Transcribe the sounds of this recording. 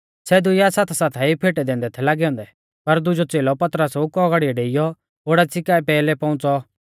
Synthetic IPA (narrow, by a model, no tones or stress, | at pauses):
sɛd̪ʊjasaːt̪ʰasaːt̪ʰaipʰeːʈɛd̪ẽːnd̪ɛt̪ʰɛlaːɡɛɔ̃ːnd̪ɛ | pɐɾd̪ʊd͡ʒɔt͡seːlɔpɐt̪ɾəsʊkɔɡaɽijɛɖeːɪjɔ | ɦoːɽat͡sɪkaːɛpɛːlɛpɔ̃ʊ̃t͡sɔ